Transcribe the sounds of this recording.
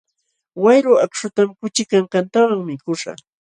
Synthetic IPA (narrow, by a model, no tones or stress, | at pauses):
wajɾʊakʃʊt̪amkʊt͡ʃɪkaɴkant̪awaŋmɪkʊʂa̰